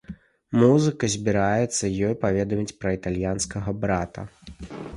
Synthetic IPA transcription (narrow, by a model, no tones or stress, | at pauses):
muzɨkɐzʲbʲiɾajɛt̪sːɐjɔjpavʲɛd̪ɐmʲit͡sʲpɾɐit̪alʲjanskɐɣɐbɾat̪ɐ̰